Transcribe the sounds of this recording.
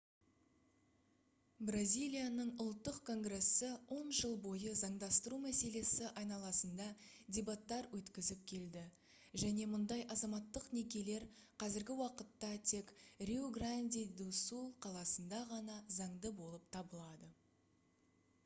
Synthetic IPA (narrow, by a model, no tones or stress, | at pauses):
brazʲijlʲijanəɴʊlˠt̪ːəqkʰo̞ŋɡre̞sːəwo̞nʒəlˠbo̞jəzɑɴd̪ɑst̪əɾumæse̞le̞sɪʔɑjnɑlˠɑsənd̪ɑ | d̪ʲebat̪ːɑɾwɵt̪kʲɪzɪp̚kʲʰe̞ld̪ɪ | ʒæne̞mʊnd̪ɑjʔɑzɑmɑt̪ːəqne̞kʲe̞le̞ɾqʰɑzɪɾɡʲɪwɑqət̪ːɑt̪ʰe̞krʲeoɡranʲd̪ʲijd̪usulˠqʰɑlˠɑsənd̪ɑʁɑnɑzɑɴd̪əbo̞lˠəp̚t̪ʰɑbəlˠɑd̪ə